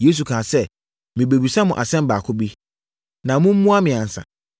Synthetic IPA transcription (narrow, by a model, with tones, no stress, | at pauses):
je˦s̬u˨kʰã˨sɛ˦˨ | mɪ̃˨be˨bi˨sa˦mʊ̃˨ʔa̰˨sɛ̃˦m̩˦baː˨kʰʊ˦bi˦ | nã˨mʊ̃˦m̩˦mũ˦a˦mɪ̃˨ã˨n̩˨sa̰˨